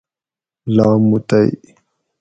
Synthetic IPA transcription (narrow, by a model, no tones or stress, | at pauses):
laːmːut̪aj